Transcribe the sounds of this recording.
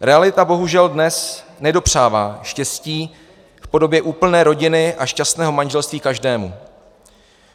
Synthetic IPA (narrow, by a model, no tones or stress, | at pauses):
ɾɛalɪt̪abo̞ɦuʒɛldnɛsnɛdo̞pr̝̥aːvaːʃcɛsciː | fpo̞do̞bjɛʔuːpl̩nɛːɾo̞ɟɪnɪʔaʃcast̪nɛːɦo̞manʒɛlst̪viːkaʒdɛːmṵ